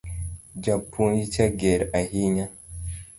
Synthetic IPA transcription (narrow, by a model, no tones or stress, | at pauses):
ɟapunjit͡ʃaɡeɾahiɲa